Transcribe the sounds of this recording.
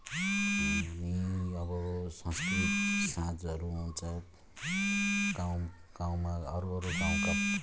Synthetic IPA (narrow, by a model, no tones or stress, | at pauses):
iɦamiʌbʌsʌ̃skrit̪sãd͡zʌɾuɦũnt͡sʰʌ | ɡ̥aw̃ | ɡ̥aw̃maʌɾuʌɾuɡãw̃ka